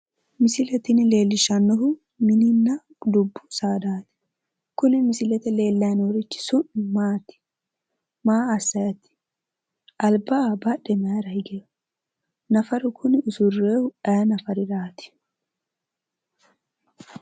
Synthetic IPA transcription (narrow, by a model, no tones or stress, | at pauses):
mɪsɪlɛt̪ɪnɪle̞ːlːɪʃɐnːɔɦʊ | mɪnɪnːɐ | d̪ʊbːʊ̥saːd̪aːt̪ɪ̥ | kʊnɪmɪsɪlɛt̪ɛle̞ːlːɐjnɔɾɪt͡ʃːɪ̥sʊnːɪmaːt̪ɪ̥ | maːɐsːɐjɐt̪ɪ̥ | ʔɐlbɐbɐɗɛmɐjɾɐɪɡej | nɐfɐɾʊkʰʊnɪʊsʊrːeːhʊɐjɐnɐfɐɾɪɾaːt̪ɪ̥